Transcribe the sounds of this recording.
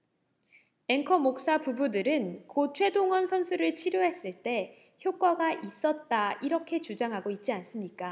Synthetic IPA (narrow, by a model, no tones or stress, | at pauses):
e̞ŋkʰʌmok̚s͈apubudɯɾɯnkot͡ɕʰwe̞doŋʌnsʰʌnsʰuɾɯɭt͡ɕʰiɾjoɦe̞s͈ɯɭt͈e̞ | çjok͈waɡaʔis͈ʌt̚t͈aiɾʌkʰe̞t͡ɕud͡ʑaŋɦaɡoit̚t͡ɕ͈ians͈ɯmɲik͈a